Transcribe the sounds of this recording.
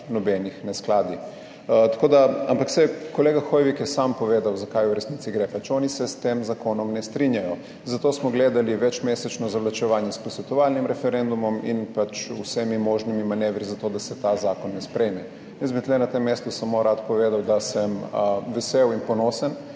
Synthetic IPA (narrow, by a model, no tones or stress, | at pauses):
nɔbɛnixnɛsklaːd̪i | t̪ḁkoːd̪aa̰mpaksɛkoleːɡaxojʋikjɛsaːmpɔʋeːd̪awzakajuɾɛsniːt̪iɡɾefat͡ʃɔːnisɛst̪eːmzakonɔmnɛst̪ɾinjajɔ | zat̪oːsmɔɡleːd̪aliʋɛt͡ʃmeːsɛt͡ʃnɔzaʋlat͡ʃɛʋaːnjɛsposʋɛt̪ɔʋalnimɾɛfɛɾɛnd̪umɔmḭnpat͡ʃṵsɛmimoʒnimimaneːʋɾizat̪od̪asɛt̪azaːkɔnːɛspɾɛjmɛ | jɛszbit̪lɛnat̪emːest̪usamoɾat̪poʋeːd̪awd̪asɐmʋɛseːwinponoːsan